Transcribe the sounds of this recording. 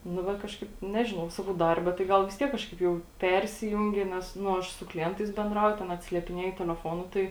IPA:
nʊ ˈʋɐ ˈkɑːʃkɐɪp ˈnʲæːʒʲɪnɐʊ ˈsɑːkɐʊ ˈdɐrʲbʲɛ tɐɪ ˈɡɐlˠ ʋʲɪs ˈtʲiɛk ˈkɑːʃkɐɪp jɛʊ ˈpʲɛrʲsʲɪjʊŋʲɡʲɪ nʲɛs ˈnʊ ˈɐʃ sʊ klʲɪˈɛntɐɪs bʲɛnˈdrɐʊjʊ tʲɛn ɐtʲsʲɪlʲiɛpʲɪˈnʲiɛjʊ tʲɛlʲɛˈfoːnʊ ˈtɐɪ

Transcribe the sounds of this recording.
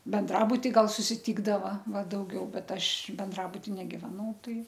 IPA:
bʲɛnˈdrɑːbʊtʲɪ ˈɡɐlˠ sʊsʲɪˈtʲiːɡdɐʋɐ ˈʋɐ dɐʊˈɡʲɛʊ ˈbʲɛt ˈɐʃ bʲɛnˈdrɑːbʊtʲɪ nʲɛɡʲɪʋʲɛˈnɐʊ ˈtɐɪ

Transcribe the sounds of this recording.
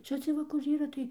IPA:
ˈt͡ʃʲɛ t͡sʲiɛj ˈʋɐ kʊr ˈiːrɐ tɐɪ

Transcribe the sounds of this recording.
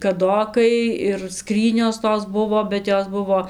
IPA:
kɐˈdoːkɐɪ ɪr ˈskrʲiːnʲoːs ˈtoːs ˈbʊʋoː bʲɛt ˈjoːs ˈbʊʋoː

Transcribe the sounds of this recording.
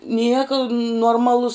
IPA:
ˈnʲiɛkɐ nuɔrˈmɑːlˠʊs

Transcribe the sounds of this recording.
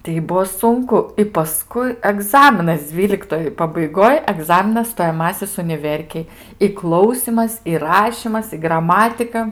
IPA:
tʲɛɪ ˈbuɔ ˈsʊŋkʊ ɪ pɐˈskʊɪ ɐˈɡzɑːmʲɪnɐs ˈd͡zʲʋʲiːlʲɪktoːj pɐbɐɪˈɡoːj ɐˈɡzɑːmʲɪnɐs stoːjɛˈmɑːsʲɪs ʊnʲɪˈʋʲɛrʲkʲeːj ɪ ˈklˠɐʊsʲiːmɐs ɪ ˈrɑːʃʲiːmɐs ɪ ɡrɐˈmɑːtʲɪkɐ

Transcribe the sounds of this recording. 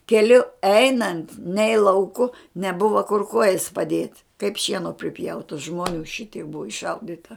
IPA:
kʲɛˈlʲʊ ˈɛɪnɐnt nʲɛɪ lˠɐʊˈkʊ nʲɛˈbʊʋɐ kʊr ˈkuɔjɛs pɐˈdʲiɛtʲ kɐɪp ˈʃʲiɛnoː pʲrʲɪˈpʲjɛʊtɐ ʒmoːˈnʲuː ˈʃʲɪtʲiɛk ˈbʊʋoː ɪʃˈʃɐʊdʲɪtɐ

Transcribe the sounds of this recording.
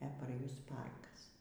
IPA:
ɛ pɐr ˈjʊs ˈpɐrkɐs

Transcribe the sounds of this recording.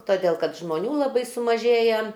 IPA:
toːˈdʲeːlˠ kɐt ʒmoːˈnʲuː lˠɐˈbɐɪ sʊmɐˈʒʲeːjɛ

